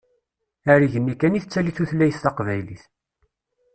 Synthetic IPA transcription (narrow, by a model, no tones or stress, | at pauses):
æɾiʝənːikæniθət͡sːæliθuθlːæjəst̪ɑqvæjliθ